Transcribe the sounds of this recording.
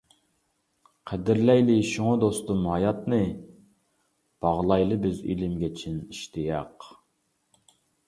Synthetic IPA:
qʰæd̪ɪɾlɛjlɪʃuŋʊd̪ost̪umhɑjɑt̪nɨ | b̥ɑʁlˠɑjlˠɨbɪzḭlɪmɡʲɛt͡ʃʰiniʃt̪ʰɪjɑq

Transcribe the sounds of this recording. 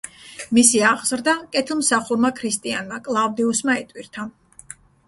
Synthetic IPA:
misiaʁz̥ɾd̪akʼɛt̪ʰilˠmsaχuɾmakʰɾist̪ʼianmakʼlˠavd̪ɛusmaɛt̪ʼwiɾt̪ʰa

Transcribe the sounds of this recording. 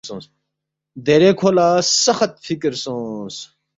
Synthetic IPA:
õːs | d̪eːɾeːkʰoːlaːsɐxɐt̪̚fikɾsõːs

